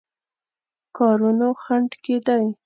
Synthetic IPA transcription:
kɑɾunoxaɳʈked̪aj

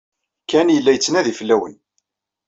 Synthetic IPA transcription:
kænjəlːæjət͡sːənæðifəlːæwə̰n

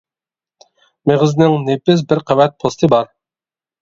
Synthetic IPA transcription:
meʁɨznɪŋnepɪs̬bɪɾqʰæwɛt̪̚pʰost̪ʰɨbɑɾ

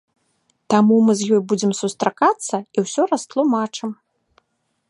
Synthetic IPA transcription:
t̪amumɨzjɔjbud͡zʲɛmsust̪ɾakat̪sːɐiwsʲɔɾɐst̪lˠumat͡ʂɨm

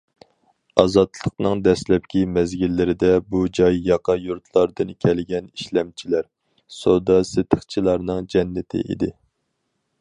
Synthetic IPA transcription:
ɑzɑt̪lˠəqnɨŋd̪ɛslɛp̚kʲimɛzɡʲilːɪɾɪd̪ɛbud͡ʒɑjːɑqʰɑjuɾt̪ʰlˠɑɾd̪ɨnkʲʰɛlɡʲɛniʃlɛmt͡ʃʰilæɾ | sod̪ɑsɪt̪ʰəχt͡ʃʰilˠɑɾnɨŋd͡ʒɛnːɪt̪ʰɪ̰ʔḭd̪ɪ

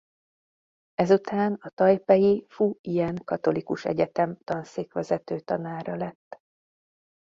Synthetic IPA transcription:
ɛzut̪ʰaːnɒt̪ɒjpɛjifuijɛŋkɒt̪o̞likuʃɛ̰ɟɛt̪ɛmt̪ɒnseːkʋɛzɛt̪øːt̪ɒnaːɾɒlɛt̪ː

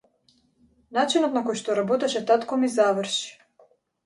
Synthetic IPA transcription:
nat͡ʃinɔt̪nakojʃt̪ɔɾabɔt̪ɛʃɛt̪at̪kɔmizavrʃi̥

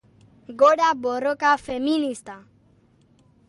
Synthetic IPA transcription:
ɡoɗabɔɾɔkafɛminist̪a

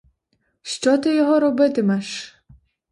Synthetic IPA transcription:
ʃt͡ʃɔt̪ɪjɔɦɔɾɔbɪt̪ɪmɛʃ

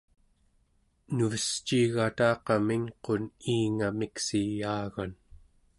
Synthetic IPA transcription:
nuvəst͡ʃiːɣat̪ɑːqɑmiŋqo̞niːŋamiksijaːɣan

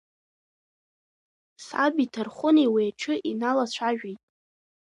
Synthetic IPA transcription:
sa̰bitʰɨrχʷʊniweaʈ͡ʂʰɨʔinalat͡ɕʷʰaʒᶣijtʼ

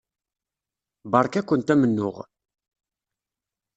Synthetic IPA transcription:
bɑɾˤkækʷːənt̪æmənːʊ̰ʁ

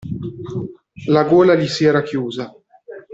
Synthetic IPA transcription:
laɡoːlalisiɛːɾakjuːza

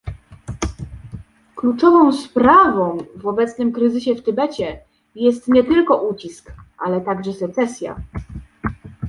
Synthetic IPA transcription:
klut͡ʂɔvɔ̃w̃spɾavɔ̃w̃vɔbɛt̪snɘmkɾɘzɘɕɛft̪ɘbɛt͡ɕɛ | jɛst̪ɲɛt̪ɘlkɔʔut͡ɕiskʔalɛt̪aɡʐɛsɛt̪sɛsʲja̰

